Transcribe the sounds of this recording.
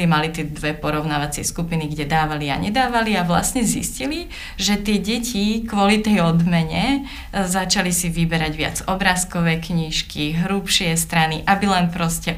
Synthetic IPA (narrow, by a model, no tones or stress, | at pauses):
limalit̪ɪɛd̪ʋɛpɔɾɔʊnaːʋat͡sɪɛskupiniɡɟɛd̪aːʋalia̰ɲɛd̪aːʋaliaʋla̰sɲɛzḭscili | ʒɛt̪ɪɛɟɛcikʋɔlit̪ɛjɔd̪mɛɲɛ | zat͡ʃalisiʋibɛɾaɟʋɪa̰d͡zɔbɾaːskɔʋɛːkɲiːʃkiɦɾuːpʃɪɛst̪ɾaniʔabilɛnpɾɔscɛ